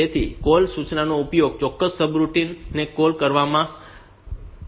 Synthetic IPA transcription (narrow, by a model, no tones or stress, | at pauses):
et̪ʰḭkolsut͡ʃnanoupjoɡ̚t͡ʃɔkːəsːəbɾuʈinːekolkəɾʋamã